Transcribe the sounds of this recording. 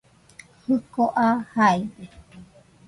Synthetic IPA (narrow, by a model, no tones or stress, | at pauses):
hɨkoʔahaede